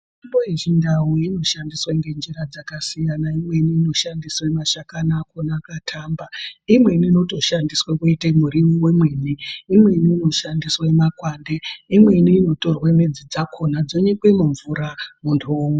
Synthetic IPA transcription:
ʐimbo̞eʐindawuino̞ʃandiswaŋɡe̞nd͡ʒiɾad͡zakasijanaimwe̞niːno̞ʃandiswamaʃakanaːkonaːkatʰambaimwe̞niino̞to̞ʃandiswekuitemuɾimiwe̞mwe̞ːniimwe̞niːno̞ʃandiswaemakwaːndeimwe̞niːno̞to̞rwamed͡zid͡zakʰo̞nad͡zo̞ɲekwemuɱvuɾamuntʰome

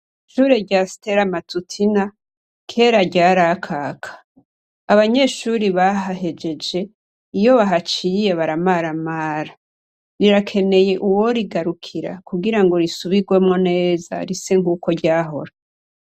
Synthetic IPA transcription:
ʃuːɾe̞ɟasi̥te̞ɾamatutʰina | kʰe̞ːɾaɟaːɾakʰaːkʰḁ | aβaɲe̞ːʃuːɾiβaɦaɦe̞d͡ʒe̞d͡ʒe̞ | ijo̞βaɦat͡ʃije̞βaɾamaɾamaːɾa | ɾiɾakʰe̞ne̞je̞ʔuwo̞ɾiɡaɾukʰiɾa̰kuɡiɾaŋɡo̞ɾisuβiɡwe̞mŋone̞ːza̰ɾiseŋɡuːko̞ɾɟaːɦo̞̰ɾa

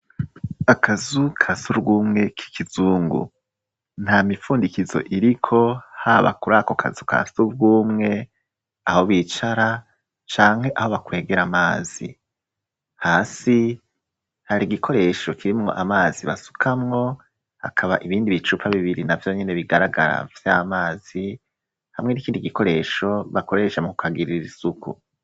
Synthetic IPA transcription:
akʰazukʰasuɾɡuːmŋe̞kʰi̥kʰizuːŋɡṵ | n̥hamifuːndikizo̞̰ʔiɾikʰo̞haːβa̰kuɾako̞kʰa̰zukʰa̰suɾɡuːmŋe̞ | aho̞βiːt͡ʃaɾa | t͡ʃaːŋhe̞ʔaho̞βakwe̞ːɡeɾamaːzḭ | haːsi | haɾiɡikʰo̞ɾe̞ʃo̞kiɾimŋo̞̰ʔamaːziβasu̥kʰamŋo̞ | ha̰kʰaβaʔiβiːndiβit͡ʃupʰaβiβiɾinavjo̞ɲe̞ne̞βiɡaɾaɡa̰ɾa̰vjamaːz̥i | hamŋenikiːndiɡiko̞ɾe̞ʃo̞βakoɾe̞ːʃemukukʰaɡiɾiɾiɾisukṵ

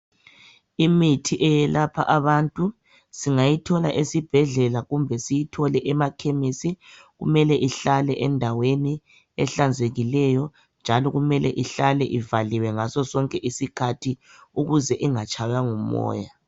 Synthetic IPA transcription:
imitʰiʔɛjɛlapʰa̰ʔaβantʼu | siŋajitʰɔla̰ʔesib̥ʱɛɮɛlaɣumbʱɛsijitʰɔlɛʔɛmakʰemisi | ɣṵmɛlɛʔiɬalɛʔɛndʱaweni | ɛɬand͡zʱeɣilɛjɔ | nd͡ʒʱalɔɣumɛlɛ̰ʔiɬalɛʔivaliwɛŋasɔsɔŋkʼɛʔisikʰatʰi | uɣuzɛʔiŋat͡ʃʼʰajaŋumɔ̰ːja

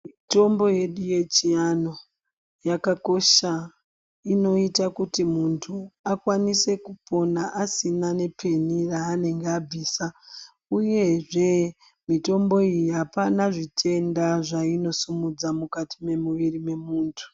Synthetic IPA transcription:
mito̞mbo̞je̞ɗuje̞t͡ʃiano̞ | jakako̞ʃa | ino̞itakutimuntʰuakwanise̞kupo̞naʔasinane̞pʰe̞niraːne̞ŋɡeab͡viːsa | uje̞ʐe̞ | mito̞mbo̞ijiɦapanaʐitʰe̞ndaʐaino̞sumud͡zamukatime̞muʋirime̞muːntʰu̥

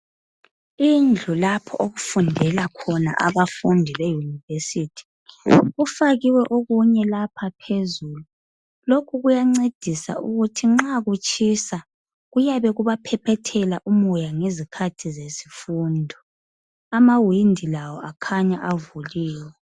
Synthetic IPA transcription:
ind͡ɮʱulapʰɔʔoɣufundʱɛlakʰɔna̰ʔaβafundʱiβejunivesitʰi̥ | ɣufaɣiwɛʔoɣuɲɛlapʰapʰezuːlu | lokʰuɣujaŋ͡ǀed̥ʱisa̰ʔṵɣutʰiŋ͡ǁaɣut͡ʃʼʰisa | ɣujaβɛɣuβapʰɛpʰɛtʰɛlaʔumɔjaŋezikʰatʰizesi̥fundʱɔ | amawindʱilawɔakʰaɲaʔavuliːwɛ

